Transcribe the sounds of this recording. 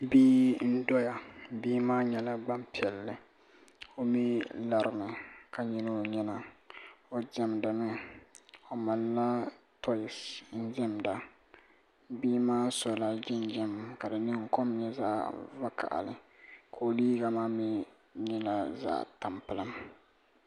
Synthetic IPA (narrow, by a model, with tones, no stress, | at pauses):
biː˦n̩˦dɔ˦ja˨biː˦maː˦ɲɛ˨la˦ɡ͡ba˦mpi˨ɛ˨lːɪ˨ | o˦mi˦la˨ɾɪ˨mɨ˨ka˨ɲi˦no˦ɲɛ˦na˨ | o˦d͡ʒɛ˦mdɨ˨mɪ˦ | o˨ma˨lːa˦ | tʰɔ˦ɪ˨sn̩˦d͡ʒɛ˦mda˨ | biː˦maː˦sɔ˨la˦d͡ʒɪ˦nd͡ʒɛ˦m˨ka˨dɨ˨nɪ˦ŋ̩˦kɔ˦mɲɛ˦za̰ː˦va˦ka̰˨ʔa̰˨lɪ̰˨ | kʰo˨liː˦ɡa˨maː˦mi˦ | ɲɛ˦la˦za̰ː˦˨ta˨mpɨ˦la˦m